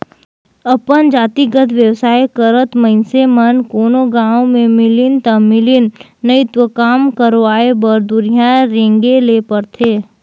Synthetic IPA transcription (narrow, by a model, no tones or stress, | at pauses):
ɐpənd͡ʒaːt̪iɡət̪ʰʋjəwsaːjkəɾət̪məɦɪnsemənkoːnoɡãːõmẽmɪlɪnt̪ɐmɪlɪnː | əɪt̪ʋəkaːmkəɾʋaːebəɾd̪ʊɾijãɾẽːŋɡeleːpəɾt̪ʰeː